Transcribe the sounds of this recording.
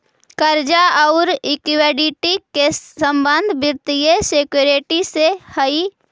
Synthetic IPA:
kəɾd͡ʒaɐʊɾɪkɪʋeːɖiʈikeə̃mbə̃nd̪ʱbɪɾt̪ɪjeseːkjoɾeːʈisehəi

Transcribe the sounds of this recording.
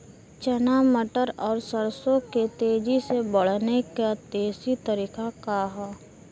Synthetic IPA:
t͡ʃənaməʈəɾɔːɾsəɾsõket̪eːd͡ʒisebəɽ̤nekat̪eːsit̪əɾiːkakaɦɛː

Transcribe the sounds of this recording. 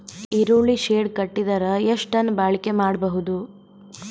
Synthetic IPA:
iɾuɭiʃeːɖkɐʈːid̪ɐɾɐeʂʈɐnːbaːɭike̞maːɽbɐɦud̪u

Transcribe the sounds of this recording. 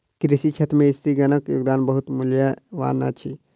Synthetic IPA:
kɾɪsit͡ʃʰɐt̪mẽɪst̪iɡɐnəkjo̰ːɡ̚d̪aːnbəɦut̪muljaʋa̰ːna̰t͡ʃʰi

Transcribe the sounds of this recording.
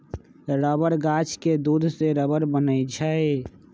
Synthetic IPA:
ɾəbəɾɡat͡ʃʰked̪ud̪ʱseɾəbəɾbənəjd͡ʒʰae

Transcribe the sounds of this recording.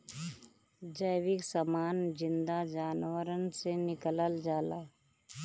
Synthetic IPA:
d͡ʒəjʋɪksamaːnd͡ʒɪ̃nd̪ad͡ʒaːnwəɾənsenɪkələld͡ʒaːlaː

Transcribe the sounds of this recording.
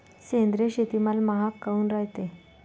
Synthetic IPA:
send̪ɾeɕet̪imalmaɦakːauːnɾajt̪e

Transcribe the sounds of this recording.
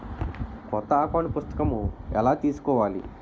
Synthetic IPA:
kɔt̪ːɐaːkaːnupust̪ɐ̥kɐmuɛlaːt̪iːsu̥kɔːʋaːlḭ

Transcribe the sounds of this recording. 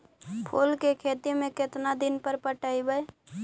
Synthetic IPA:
pʰolkekʰet̪imẽkɪt̪nad̪inpəɾpəʈəibəj

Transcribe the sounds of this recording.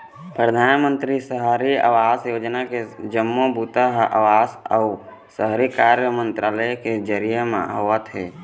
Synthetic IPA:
pɾəd̪ʱaːnmə̃nt̪ɾisəɦɾiə̰ʋaːsjoːd͡ʒnaked͡ʒəmːobut̪əɦə̰ʋaːsəʊ | səɦɾikaːɾjəmə̃nt̪ɾaːləked͡ʒəɾijəmḛ̃ɦoːət̪ɦɛː

